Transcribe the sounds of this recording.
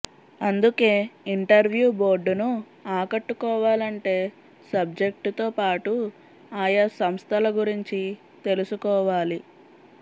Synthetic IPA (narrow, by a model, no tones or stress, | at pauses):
ɐnd̪uke̞ːiɳʈɐɾʋjuːbo̞ːɾɖːunu | aːkɐʈːukɔːʋaːlɐɳʈe̞ː | sɐb̚d͡ʒe̞k̚ʈt̪o̞ːpaːʈu | aːjɐsɐmst̪ʰɐlɐɡuɾiɲt͡ʃi | t̪e̞lusukɔːʋaːli